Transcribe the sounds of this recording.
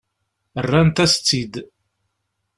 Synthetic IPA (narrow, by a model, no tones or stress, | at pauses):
ərːænt̪æst͡sːid̪